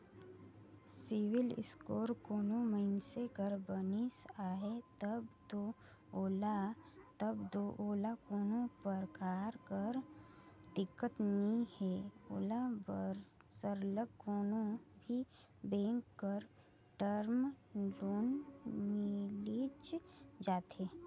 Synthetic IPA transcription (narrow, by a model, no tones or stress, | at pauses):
sɪwɪlɪ̰skoːɾkoːnõməɪnsekəɾbənisaːɦet̪əbt̪o | oːlat̪əbd̪oːʔoːlakoːnõpəɾkaːɾkəɾd̪ɪkːət̪nĩhɛo̰ːlabəɾ | səɾləɡkoːnõbʱi | bẽːŋkːəɾ | ʈəɾmloːnmɪlit͡ʃd͡ʒaːt̪eː